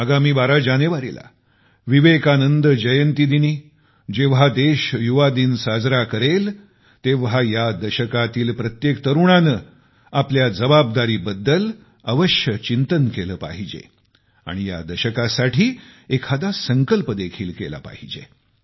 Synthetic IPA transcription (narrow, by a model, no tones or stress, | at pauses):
aɡamiːbaɾad͡ʑaneʋaɾḭla̰ | ʋiʋekanənd̪d͡ʑəjənt̪id̪iniː | d͡ʑeʋ̤ad̪eɕjuʋad̪iːnsad͡zɾakəɾel | t̪eʋɦajad̪əɕəkat̪iːlpɾət̪jekt̪əɾuɳanəː | apljad͡zəbab̚d̪aɾiːbəd̪ːəl | əʋəɕjət͡ɕint̪ənkeləːpa̰ɦid͡ʑḛ | a̰ɽ̃ija̰d̪əɕəkasaʈʰiːekʰad̪asəŋkəlpəd̪ekʰiːlkela̰pa̰ɦid͡ʑḛ